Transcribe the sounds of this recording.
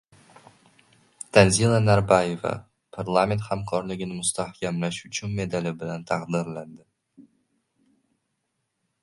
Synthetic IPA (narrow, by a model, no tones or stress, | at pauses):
d̪̥anzilˠanaɾbaje̞va̰ | pʰaɾlˠamʲe̞nt̪hamkʰɒɾlɪɡʲɪnɪmʊst̪ahkʲʰamlaʃʊt͡ʃʰʊnme̞d̪alɪbɪlant̪ʰaqd̪ɪɾland̪ɪ